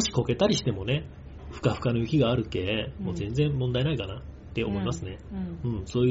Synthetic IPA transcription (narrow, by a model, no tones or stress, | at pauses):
oɕi̥ko̞ke̞t̪aɾʲiɕi̥t̪e̞mo̞ne̞ | ɸɯ̥kaɸɯ̟̥kanojɯ̟kʲiɡaːɾɯ̟ke̞mo̞ːzẽ̞nd͡zẽ̞mmõ̞nd̪aenaikanat̪ːe̞o̞̰mo̞imasɨne̞ɯ̟̃ɴso̞ːj